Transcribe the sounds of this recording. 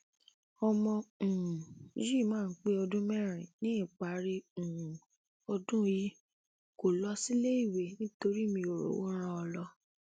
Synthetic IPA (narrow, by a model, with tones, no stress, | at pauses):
ɔ˧mɔ̃˧˨˦ | d͡ʒi˦˨mãː˦˨n̩˦k͡pe˦ɔ˧dũ˦mɛ˦˨ɾ̃ĩ˨nĩ˦i˦˨k͡pa˨˦ɾi˦ũ˨ | ɔ˧dũ˦ji˨˦ | ko˨lɔ˧si˦le˦i˦˨we˨nĩ˦to˧ɾi˦˨mĩ˧o˨ɾo̰˨wo̰˦ɾ̃ã˧ɔ˧lɔ˧